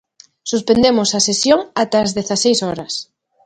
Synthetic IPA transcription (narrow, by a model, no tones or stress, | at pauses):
suspend̪emosasesjoŋat̪aːzðeθasejsɔɾɐs